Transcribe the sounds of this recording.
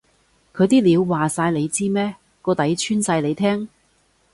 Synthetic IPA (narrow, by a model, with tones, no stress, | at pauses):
kʰɵ˨˧t̪iː˥liː˨˧wːaː˨saː˧jle˨˧jt͡siː˥mɛː˥ | kɔː˧t̪ɐ˨˥jt͡ʃʰyː˥nsaː˧jle˨˧jt̪ʰɛː˥ŋ